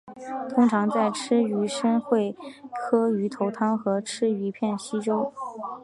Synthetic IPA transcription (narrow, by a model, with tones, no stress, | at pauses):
t̪ʰʊ˥ŋʈ͡ʂʰɑ˧˥ŋt͡sa˥˩ɪʈ͡ʂʰɻ̩˥y˧˥ʂə˥nxwe˥˩ɪkʰɤ˥y˧˥t̪ʰo˧˥ʊt̪ʰɑ˥ŋxɤ˧˥ʈ͡ʂʰɻ̩˥y˧˥pʰjɛ˥˩nɕi˥ʈ͡ʂo˥ʊ